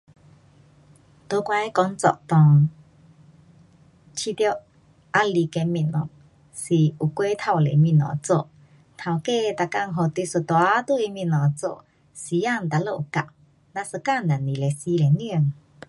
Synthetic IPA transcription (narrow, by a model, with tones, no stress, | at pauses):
t̪o˧kwa˧˦kɔ˧˦ŋt͡sɔ̰˧˨ʔt̪ɔ˨˩ŋ | t͡ɕʰi˧˦t̪jo˦ʔ | ʔa˧li˧˨ke˧mi˧˨nɔ̰˨ŋ | si˨u˨kwe˧˦t̪ʰa˧˩wlḛ˨mĩ˧˨nɔ̰̃˨t͡so˧˨ʔ | t̪ʰa˧˩wke˥˧t̪a˧˨ka˧˨ŋɦo˨t̪i˧˦su˨˧t̪wa˧˦t̪u˧˨i˧mĩ˧˨nɔ˨t͡so̰˧˨ʔ | si˨ja˥˧˨nt̪a˧˨lo˧˨ʔu˨ka̰˧˨ʔ | na˧sə˧ka˥˨na˨ni˨le˨si˧le˨ni˥˧ə˨ŋ